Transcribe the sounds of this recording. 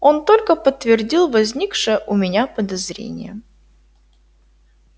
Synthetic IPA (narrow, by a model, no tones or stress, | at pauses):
o̞nt̪o̞lʲkəpət̪ːvʲɪrdʲilˠvɐzʲnʲikʂɨjəʔʊmʲɪnʲapəd̪ɐzɾʲḛnʲɪ̰jə